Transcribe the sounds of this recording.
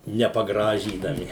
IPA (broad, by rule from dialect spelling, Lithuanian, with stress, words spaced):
nʲɛpɐˈɡrɑːʒʲiːdɐmʲɪ